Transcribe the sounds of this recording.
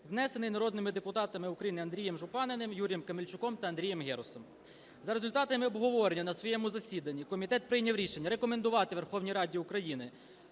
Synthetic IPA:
ʋnɛsenɪjnɐɾɔd̪nɪmɪd̪epʊt̪ɑt̪ɐmɪʊkɾɐjinɪɐnd̪ɾʲijemʒʊpɑnenɪmjuɾʲijemkɐmelʲt͡ʃʊkɔmt̪ɐɐnd̪ɾʲijɛmɦɛɾʊsɔm | zɐɾezʊlʲt̪ɑt̪ɐmɪɔbɦɔʋɔɾenʲːɐnɐsʋɔjɛmʊzɐsʲid̪ɐnʲːikɔmʲit̪ɛt̪̚pɾɪjnʲɐwɾʲiʃenʲːɐɾekɔmend̪ʊʋɑt̪ɪʋe̞rxɔwnʲijɾɑdʲiʊkɾɐjinɪ

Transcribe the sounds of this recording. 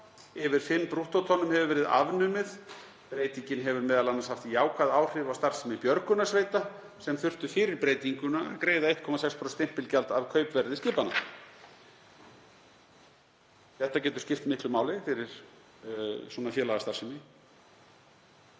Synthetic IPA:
ɪvɪɾ̥fɪnːpɾuht̪ot̪ʰɔnʏmhɛvʏɾvɛːɾɪða̰vnʏmɪð | pɾeːjt̪iɲcɪnɦɛvʏɾmɛːðalanaɾshaft̪jaːwkʰaðaːwr̥ɪvawst̪aɾ̥sɪmɪpjœɾkʏnasveːjt̪a | sɛmθʏr̥t̪ʏfɪːɾɪɾpɾeːjt̪iŋkʏnaakɾeːjðaeht̪̚kʰɔmasɛkspʰɾowst̪ɪm̥pɪlcɛlt̪avkʰœɥpvɛɾðɪscɪːpana̰ | θɛht̪acɛːt̪ʏ̥ɾ̥scɪft̪mɪhk̪lʏmaːwlɪfɪɾɪɾ̥ | sɔnafjɛːlaɣast̪aɾ̥sɪmɪ

